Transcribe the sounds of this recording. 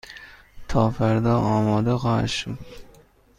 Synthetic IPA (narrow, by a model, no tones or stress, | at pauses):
t̪ʰɒfaɾd̪ɒɒːmɒd̪aʁaʃʊ